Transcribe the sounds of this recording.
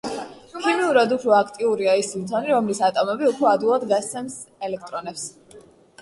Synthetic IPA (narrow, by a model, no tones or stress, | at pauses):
kʰimiuɾad̪upʰɾɔakʰt̪ʼiuɾiaismt̪ʰɔniɾɔmlisat̪ʼɔmɛbiupʰɾɔad̪ilˠad̪ɡast̪sɛms | ɛlɛk̚ʰt̪ʼɾɔnɛps